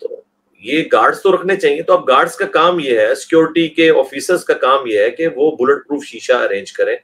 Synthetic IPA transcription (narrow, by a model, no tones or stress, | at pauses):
t̪o̰ː | jeːɡaːɾɖzt̪oɾɐkʰnet͡ʃaːɦiet̪oɐp̚ɡaːɾɖzkakaːmjeɦɛsɪ̥kjoːɾɪʈikeɔ̰ːfiːsəɾzkakaːmjeɦɛkeʋoːbʊləʈ̚pɾuːfʃiːʃaɐɾẽːɲd͡ʒkɐɾẽː